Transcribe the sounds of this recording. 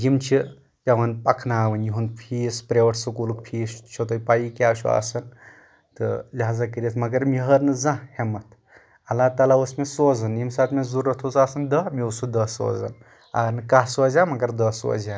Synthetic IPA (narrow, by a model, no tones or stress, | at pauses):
jimt͡ʃʰi | jɐʋɐnpɐkʰnaːʋɐnjiɦunpʰiːspɾeʋɐʈʰsɨkulukpʰiːst͡ʃʰot̪ɐpaikʲaːʃʰṵa̰ːsɐn | t̪ɨlʲɦazakəɾʲɐt̪ʰmɐɡɐɾmiɦɐɾnɨzãhemɐt̪ | ɐlaːt̪aːlaʋəsmesoːzɐnimsaːt̪mezuɾɐt̪ʰut͡saːsɐnd̪əmiusud̪əso̰ːzɐ̰n | a̰ːɾnɨkaɦsoːzʲaːmɐɡɐɾd̪əso̰ːzan